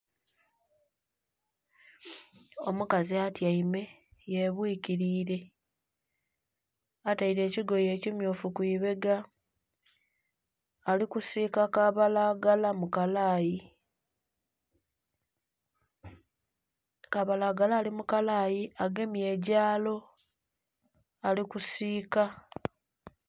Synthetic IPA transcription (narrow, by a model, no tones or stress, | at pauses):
o̞mukaziatjaime̞ | jeβwiːciɾiːɾe̞ | ataiɾe̞ːciɡo̞je̞ːcimjuːfukwiːβe̞ɡa | likusikakaβalaɡalamukalaji | kaβalaːɡalaːlimukalaːjiaɡe̞mje̞ɟaːlo̞ | alikusiːka